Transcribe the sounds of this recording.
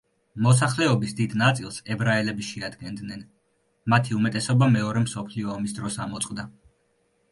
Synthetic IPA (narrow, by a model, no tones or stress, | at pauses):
mɔsaχlɛɔbisd̪id̪nat̪sʼilˠsɛbɾaɛlɛbiʃɛad̪ɡɛnd̪nɛn | mat̪ʰiumɛt̪ʼɛsɔbamɛɔɾɛmsɔpʰliɔːmisd̪ɾɔsamɔt̪sʼqʼd̪a